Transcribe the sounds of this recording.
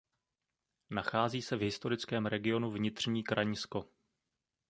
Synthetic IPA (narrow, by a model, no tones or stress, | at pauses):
naxaːziːsɛvɦɪst̪o̞ɾɪt͡skɛːmɾɛɡɪo̞nuvɲɪt̪r̝̥ɲiːkɾʔaɲsko̞